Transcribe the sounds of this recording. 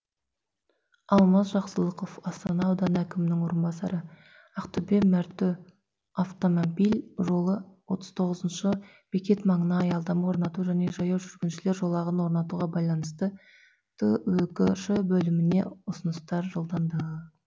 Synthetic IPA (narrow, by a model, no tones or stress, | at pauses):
ɑlˠmɑzʒɑqsəlˠəqo̞fɑst̪ɑnɑːwd̪ɑnækʲɪmɪnɪŋwo̞ɾənbɑsɑ̰ɾə | ɑqt̪ʏbemæɾt̪ɪ | aft̪o̞mobijlʲʒo̞lˠəwo̞t̪əz̥t̪ʰo̞ʁəzənʃə | b̥ekʲe̞t̪mɑɴənɑːjɑlˠd̪ɑmwo̞ɾnɑt̪uʒæne̞ʒɑjɑwʒʏɾɡʲɪnʃɪle̞ɾʒo̞lˠɑʁənwo̞ɾnɑt̪uʁɑbɑjlˠɑnəst̪ə | t̪ʰəwɵkʲɪʃəbɵlɪmɪne̞ʊsənəst̪ɑɾʒəlˠd̪ɑnd̪əʁə